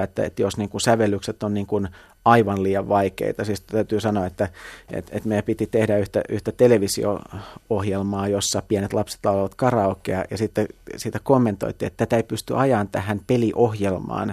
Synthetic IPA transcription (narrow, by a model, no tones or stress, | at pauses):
et̪ːæ̰ḛt̪josniːŋkunsæʋelːykset̪ːonniːŋkun | ɑiʋɑnliːjɑʋʋɑikḛit̪ɑsiːst̪æyt̪yːsɑnoɑet̪ːæḛt̪ḛt̪mejæpit̪it̪ehdæyht̪æ̰ʔyht̪æt̪eleʋisḭo̰ohjelmɑːjosːɑpiænet̪lɑpse̥t̪lɑulɑʋɑt̪kɑrɑokːˑḛɑjɑsit̪ːesiːt̪ækomːent̪o̰it̪ːiḛt̪t̪ːæt̪æeipyst̪y̰ʔɑjɑnt̪æ̰hænpeliʔohjelmɑ̰ːn